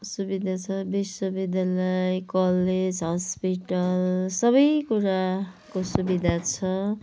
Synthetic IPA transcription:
subid̪ʱat͡sʰʌbisʌbid̪ʱalʌjkʌled͡zɦʌspiʈʌlsʌβʌjkuɾakosubid̪ʱat͡sʰʌ

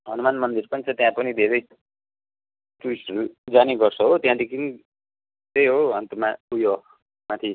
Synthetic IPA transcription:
ɦʌnumanmʌnd̪irpʌnt͡sʰʌt̪jãpʌnid̪ʱeɾʌj | tuisʌɾud͡zaniɡʌrt͡sʰʌɦot̪jãd̪ekʰini | t̪ejɦoɦʌnt̪omaujo | mat̪ʰi

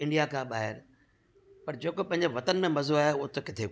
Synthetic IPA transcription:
ɪ̃ɳɖijakʰãɓaːɦɪɾ | pɐɾd͡ʑeːkopɐ̃ɦɪ̃ɲd͡ʑeʋɐt̪ənmẽmɐzoaːɦeʊɦot̪ʰokɪt̪ʰe

